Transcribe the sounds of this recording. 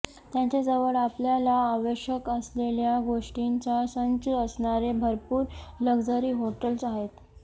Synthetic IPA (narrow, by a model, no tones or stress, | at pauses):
t̪jat͡ɕed͡zəʋəɭapljalaːʋəɕjəkəsleljaɡoʂʈiɲt͡sasənt͡səəsɳaɾebʱəɾpuːɾləɡd͡zəɾiːɦoʈəlsaɦet̪